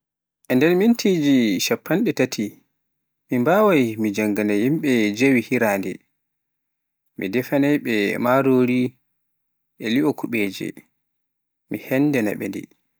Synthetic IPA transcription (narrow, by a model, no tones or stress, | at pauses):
ʔɛndɛnmintʰid͡ʒiʃapːanɗɛtatʰi | mimbaːwajmid͡ʒaŋɡanajimɓɛd͡ʒewihiɾaːndɛ̰ | mḭdɛfanajɓɛmaɾoɾi | ʔɛliɔkuɓeːd͡ʒɛ̰ | mihɛndɛna̰ɓɛ̰ndḭ